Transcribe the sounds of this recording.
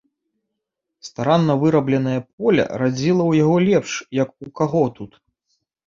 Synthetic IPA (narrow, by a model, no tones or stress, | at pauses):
st̪aɾanːɐvɨɾɐblʲɛnɐjɐp̚ɔlʲɐ̰ɾad͡zʲilˠɐwjaɣɔlʲɛpʂjɐkukaɣɔt̪ut̪